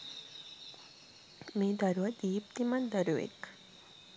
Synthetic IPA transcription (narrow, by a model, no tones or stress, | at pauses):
med̪əɾʋəd̪iːp̚t̪imand̪əɾuʋḛk